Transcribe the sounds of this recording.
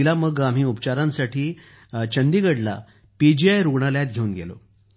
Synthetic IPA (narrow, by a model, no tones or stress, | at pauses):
ilaməɡam̤iːupt͡ɕaɾãnsaʈʰiː | t͡ɕənd̪iɡəɽla̰ | pid͡ʑiajɾuɡɳaljat̪ɡʱeuːnɡḛlo̰